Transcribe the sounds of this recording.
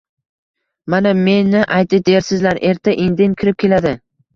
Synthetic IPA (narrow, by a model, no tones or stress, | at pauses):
maname̞nːɪʔajt̪ɪd̪eɾsɪzlaɾe̞ɾt̪ʰaʔend̪ɪŋkʲʰɪɾɪp̚kʲʰe̞lad̪ɪ